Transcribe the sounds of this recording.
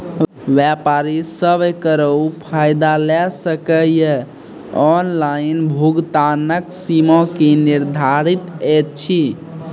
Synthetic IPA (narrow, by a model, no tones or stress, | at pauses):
ʋɛpaɾisəbkəɾəwpʰajd̪alɛsəkəjə | ɔnlainbʱuɡt̪anəksimɔ̃keniɾd̪ʱaɾit̪ɛt̪̚t͡ʃʰi